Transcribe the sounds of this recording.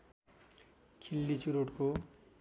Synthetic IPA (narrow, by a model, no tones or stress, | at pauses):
kʰilːit͡suɾoʈko